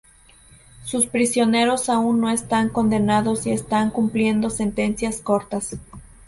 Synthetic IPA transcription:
suspɾisjo̞ne̞ɾo̞saunːo̞e̞st̪aŋko̞nd̪e̞naðo̞sie̞st̪aŋkumplje̞nd̪o̞se̞nt̪e̞nsjasko̞ɾt̪as

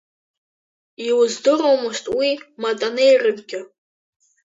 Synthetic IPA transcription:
iwzdɨɾowmɨʃtʼwimatʼanɨjrɨmɡʲɪ

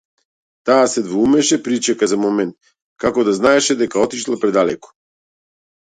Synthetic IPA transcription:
t̪aːsɛd̪voumɛʃɛpɾit͡ʃɛkazamɔmɛnt̪̚ | kakɔd̪aznaɛʃɛd̪ɛkaɔt̪iʃlˠapɾɛd̪alɛkɔ̥

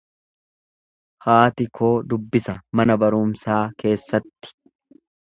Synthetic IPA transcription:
haːt̪ɪkʰo̞ːd̪ʊbːɪsɐmɐnɐbɐɾʊmsaːke̞ːsːɐt̪ːɪ̥

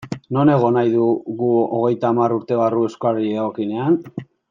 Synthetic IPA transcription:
no̞ne̞ɣ̞o̞najðuɣuoɣ̞e̞jt̪aːmaruɾt̪e̞β̞arue̞skoariðaɣokine̞an

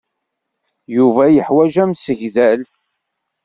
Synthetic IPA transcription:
juvæjəħwæʒæmsəʝðæl

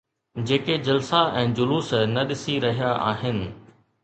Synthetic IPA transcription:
d͡ʑeːked͡ʑɐlsaʔɛ̃ːd͡ʑʊluːsnɐɗɪsiɾɐɦijaʔa̰ːɦɪnɪ̆

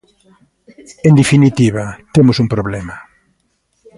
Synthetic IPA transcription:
end̪efinit̪iβ̞at̪emʊsuŋpɾoβlɛma

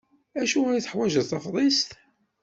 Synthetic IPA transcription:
æʃuæθə̥ħwæʒəθɑfðˤest̪

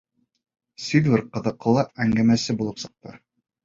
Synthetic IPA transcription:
sʲid̪vʲɘɾqɤ̆ðɤ̆qɤ̆lˠɑæŋɡæmæsɘbulˠɤpsɤ̆q̚t̪ɤ̰

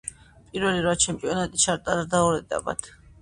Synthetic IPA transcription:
pʼiɾvɛliɾvat͡ʃʰɛmpʼiɔnat̪ʼit͡ʃʰaɾt̪ʼaɾad̪aɔɾɛd̪ʼa̰ba̰t̪ʰ

